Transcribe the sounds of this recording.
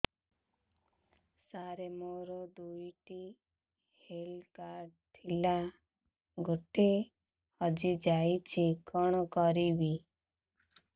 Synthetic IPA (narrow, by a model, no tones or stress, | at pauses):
saɾemoɾɔd̪ujʈi | helkaɾɖt̪ʰila | ɡʱoʈe | hɔd͡ʒid͡ʒajt͡ʃʰikɔɽ̃ɔkɔɾibi